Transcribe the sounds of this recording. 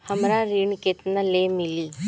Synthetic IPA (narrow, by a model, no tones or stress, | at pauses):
həmɾaɾiɳket̪nəlemili